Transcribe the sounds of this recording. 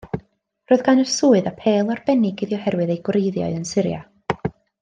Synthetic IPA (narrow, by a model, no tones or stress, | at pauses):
roɨðɡanəsuːɨðapʰeːlˠɔrb̥ɛnɪɡɪðjɔhɛrwɨðejɡwrejðjɔ̰ɨðənsɪɾja̰